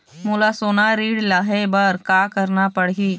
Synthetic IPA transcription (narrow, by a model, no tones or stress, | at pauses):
muːlasoːnaɾiːɽlaːɦebɐɾkaːkəɾnapəɽiː